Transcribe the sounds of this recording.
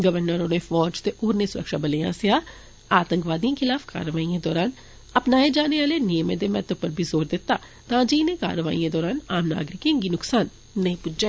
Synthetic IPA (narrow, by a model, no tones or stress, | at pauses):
ɡəʋəɾnəɾoːnẽːfʰɔːd͡ʒt̪eʔoːɾneːsʊɾə̰kʃaːbəleːã̰ːsɪaː | aːt̪ə̃ŋkʋaːd̪ijãːkʰɪlaːfka̰ːɾəʋaːiːãːd̪ɔːɾaːn | əpnaːed͡ʒaːneːaːleːnijəmẽːd̪eːmɛ̰̃ːt̪əpəɾbʱiːzoːɾd̪ɪt̪ːaː | t̪ãːd͡ʒinẽːka̰ːɾəʋa̰ːḭãːd̪ɔːɾaːnaːmna̰ːɡɾɪkẽɡiːnʊksaːnː | əĩːpʊd͡ʒd͡ʒẽː